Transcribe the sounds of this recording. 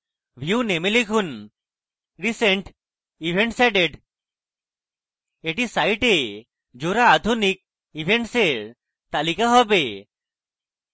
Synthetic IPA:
ʋʱjunemelekʰun | ɾiseɳʈ | ibʱeɳʈsɛɖeɖ | eʈisaiʈe | d͡ʒoɾaːd̪ʱunik̚ | ibʱeɳʈseɾ | t̪alikaɦɔbe

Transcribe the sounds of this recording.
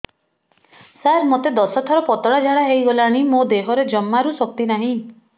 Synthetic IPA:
saɾmot̪ed̪ɔsɔt̪ʰɔɾɔpɔt̪ɔɽad͡ʒʱaɽaɦejɡɔlaɽ̃imod̪eɦɔɾed͡ʒɔmːaɾusɔk̚t̪inaɦĩ

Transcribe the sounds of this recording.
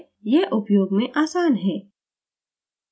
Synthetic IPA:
jɛʔʊpjoːɡmẽʔaːsaːnɦɛː

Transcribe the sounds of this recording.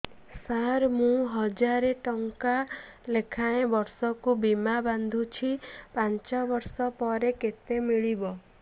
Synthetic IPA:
saɾmũɦɔd͡ʒaɾeʈɔŋkalekʰaẽbɔɾsɔkubimaband̪ʱut͡ʃʰipant͡ʃɔbɔɾsɔpɔɾeket̪emiɭibɔ

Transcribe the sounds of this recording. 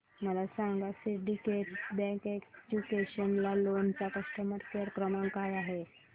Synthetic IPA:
məlasãŋɡasiɖikeʈbɛ̃ked͡ʑukeɕənlalont͡ɕakəʂʈəmət̪keɾkɾəmaŋkajaɦe

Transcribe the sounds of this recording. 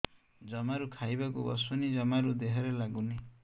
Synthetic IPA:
d͡ʒɔmaɾukʰajbakṵbɔ̰sɔnid͡ʒɔmaɾud̪eɦɔɾelaɡuni

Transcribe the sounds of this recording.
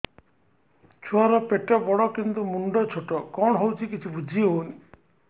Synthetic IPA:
t͡ʃʰuaɾɔpeʈɔbɔɽɔkint̪umuɳɖɔt͡ʃʰoʈɔkɔɳɦɔwt͡ʃʰikit͡ʃʰibud͡ʒʱiɦoni

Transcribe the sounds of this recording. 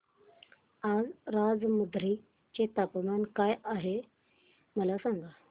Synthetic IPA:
ad͡zɾad͡zmud̪ɾi | t͡ɕet̪apmankajaɦe | məlasaŋɡa

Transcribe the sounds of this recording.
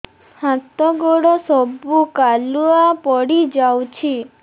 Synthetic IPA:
hãt̪ɔɡoɽɔsɔbukaluapɔɽid͡ʒawt͡ʃʰi

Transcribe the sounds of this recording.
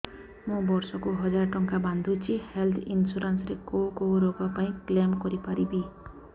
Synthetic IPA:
mũbɔɾsɔkuɦɔd͡ʒaɾɔʈɔŋkaband̪ʱut͡ʃʰihelt̪ʰinsuɾansɾekowkowɾoɡɔpaĩklemkɔɾipaɾibi

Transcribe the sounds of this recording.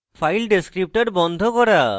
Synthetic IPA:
pʰajlɖeskɾip̚ʈaɾbɔnd̪ʱokɔɾa

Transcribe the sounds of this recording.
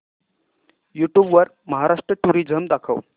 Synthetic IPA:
juʈjuːbʋəɾ | məɦaɾaʂʈɾəʈuɾid͡zʱəmd̪akʰə̰w

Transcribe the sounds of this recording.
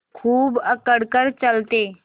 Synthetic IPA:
kʰuːbəkəɽkəɾt͡ʃəlt̪eː

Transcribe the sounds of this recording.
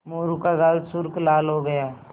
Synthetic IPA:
moːɾukaɡaːlsʊɾklaːlɦoɡɐjaː

